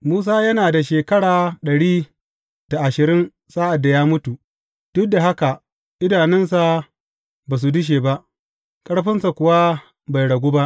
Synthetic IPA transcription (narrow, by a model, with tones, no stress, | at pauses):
muː˦s̬aː˦jɐ˦naː˨da˨ʃeː˨kɐ˦ɽaː˨ɗɐ˨ɽiː˦ | d̥a˨ʔa˨ʃɪ˨ɾɪ˦n | saː˦ʔa˨dːa˨jaː˦mʊ˦tu˨ | d̥ʊ˦da˨ɦa˦ka˨ | ʔɪ˦daː˨nɪ˦nsa˨ | baː˨s̬u˨dʊ˦ʃ̬eː˨ba˦ʔ | kʼɐ˦ɽɸɪ˦nsa˨kʷʊ˨wa˦ | ba˨jɽɐ˨ɡʷoː˦ba˦ʔ